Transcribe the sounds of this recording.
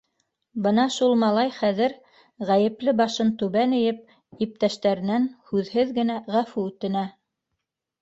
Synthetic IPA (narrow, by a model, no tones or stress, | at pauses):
bɤnɑʃulˠmɑlˠɑjχæðɘɾ | ʁæjɘ̆plɘbɑʃɤnt̪ʉβænɘ̆jɘp̚ | ip̚t̪æʃt̪æɾɘ̆nænhʉðhɘðɡɘ̆næʁæfuʉt̪ɘ̆næ